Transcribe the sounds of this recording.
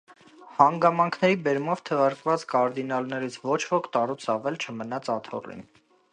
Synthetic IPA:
hɑŋɡɑmɑŋkʰnɛɾibɛɾmɔvt̪ʰəvɑɾkvɑt͡skɑɾd̪inɑlnɛɾit͡sʰvɔt͡ʃʰvɔkʰt̪ɑɾut͡sʰɑvɛlt͡ʃʰəmənɑt͡sʰɑt̪ʰɔ̰rḭn

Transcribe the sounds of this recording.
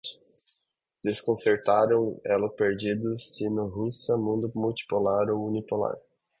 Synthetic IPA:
d̪eskõseɾt̪aɾɐ̃w̃ɛ̰lɐpeɾd͡ʒid̪ʊsinʊɦusɐmũd̪ʊmuwt͡ʃi̥polaɾowunipola̰ɾ

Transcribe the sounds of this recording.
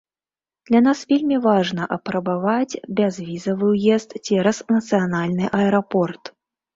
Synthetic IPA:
d̪̥lʲanasvʲelʲmʲivaʐnɐʔɐpɾɐbavad͡zʲbʲazvʲizɐvɨwjɛst̪t͡sʲɛɾɐsnɐt̪sɨjanalʲnɨʔɐɛɾapɔrt̪

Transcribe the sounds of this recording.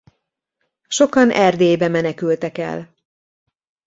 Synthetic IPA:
ʃo̞kɒnʔɛrd̪eːjbɛmɛnɛkylt̪ɛkɛ̰l

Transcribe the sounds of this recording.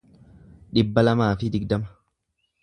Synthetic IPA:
ᶑɪbːɐlɐmaːfɪd̪ɪɡd̪ɐmɐ̥

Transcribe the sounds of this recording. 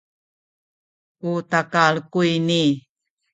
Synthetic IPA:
utakaɭkujni

